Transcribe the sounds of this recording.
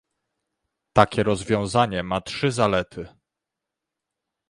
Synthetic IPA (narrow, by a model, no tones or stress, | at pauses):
t̪akʲɛɾɔzvʲjɔ̃w̃zaɲɛmatʂɘzalɛt̪ʰɘ